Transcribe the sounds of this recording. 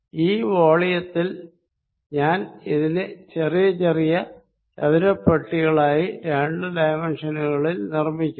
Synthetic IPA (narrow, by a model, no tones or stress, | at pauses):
iːʋoːɭijɐt̪ːil | ɲaːniðinet͡ɕerijɐt͡ɕerijɐ | ɐʋiɾɐpːɐʈːiɣɐɭaːjiɾeɳɖɨd̪ɐjmenʂɐnuɣɐɭilnirmikʲːu